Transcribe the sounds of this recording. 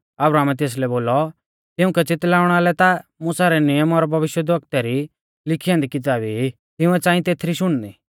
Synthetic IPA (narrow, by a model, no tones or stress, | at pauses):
ɐbɾaːmɛt̪eːs̬lɛboːlɔ | t̪ɪʊ̃kɛt͡sɪt̪laːʊɽ̃aːlɛt̪amusaɾɛnɪjəmɔɾbʱɐʋɪʃjəd̪əkt̪ɛɾi | lɪkʰiːãnd̪ikɪt̪̬aːbi | t̪ɪʊ̃ɛt͡sãːĩt̪eːt̪ʰɾiʃʊɽ̃d̪i